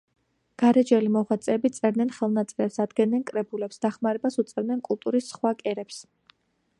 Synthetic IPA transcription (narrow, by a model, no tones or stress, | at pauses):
ɡ̥aɾɛd͡ʒɛlimɔχwat̪sʼɛːbit̪sʼɛɾd̪nɛnχɛlˠnat̪sʼɛɾɛpsad̪ɡɛnnɛnkʼɾɛbulɛpsd̪aχmaɾɛbasut̪sʼɛɾd̪nɛnkʼulˠt̪ʼuɾisːχwakʼɛɾɛps